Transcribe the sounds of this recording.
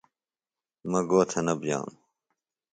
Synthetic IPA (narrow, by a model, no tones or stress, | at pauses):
mɐɡoːt̪ʰɐnɐbd͡ʑa̰ːn